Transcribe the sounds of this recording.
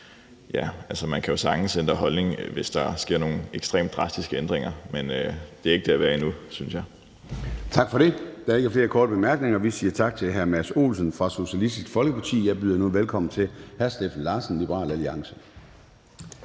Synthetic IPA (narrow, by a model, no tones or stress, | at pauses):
jæælsəmænkʰæjo̝sɑ̈ŋ̥n̩send̥ʁɐɦɒ̽lne̝ŋʋe̝sd̥ɑ̈sɡ̥e̝ɐ̰no̝ːn̩eɡ̥sd̥ʁḛːmd̥̚ʁɑ̈sd̥isɡ̥əend̥ʁeŋɐmend̥e̝æɐe̝ɡ̥əd̥e̝æʋæːɐinusynsjɑ̈ɪ | t͡sʰɑ̈ɡ̥fɒ̽ɾe̝d̥ɑæɐe̝ɡ̥æɐfle̝ːɐkʰɒːd̥əb̥e̝mæɐɡ̥ne̝ŋɐʋisiːɐt͡sʰɑ̈ɡ̥̚t͡sʰe̝lɦæɐmæso̝̰ːlsən̩fʁɑ̈so̝ɕiælisd̥isɡ̥fɒ̽lɡ̥əpʰɑ̈t͡sʰḭːjɑ̈ɪb̥yːðˠɐnuʋelkʰɒ̽m̰n̩t͡sʰe̝lhæɐsd̥ḛːfn̩lɑ̈ːsn̩lib̥əʁɑ̰̈ːlæliɑ̈ŋsə